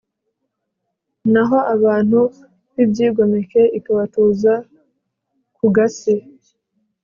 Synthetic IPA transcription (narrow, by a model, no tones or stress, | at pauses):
naɦo̞ʔaβaːn̥hu | βibɟiːɡo̞meke̞ikaβatuːza | kuɡasi